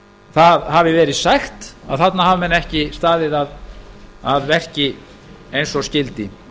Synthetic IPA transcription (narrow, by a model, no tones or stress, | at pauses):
θaðhavɪvɛːɾɪðsajxt̪aðθat̪naɦavamɛnːɛhcɪst̪aːðɪðað | aðvɛr̥cɪ | ejnsɔscɪlt̪ɪ